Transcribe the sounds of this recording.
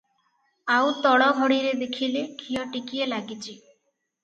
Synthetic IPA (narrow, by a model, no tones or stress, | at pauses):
awt̪ɔɽɔɡʱɔɽiɾed̪ekʰilekʰijɔʈikielaɡit͡ʃʰi